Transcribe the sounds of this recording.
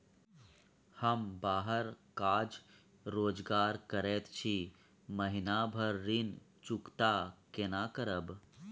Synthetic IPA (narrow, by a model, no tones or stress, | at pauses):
həmbaːɦəɾkaːd͡ʒ | ɾoːd͡ʒɡaːɾkəɾeːt̪t͡ʃʰi | məɦɪnaːbʱəɾːin | t͡ʃʊkt̪aːkenaːkəɾəb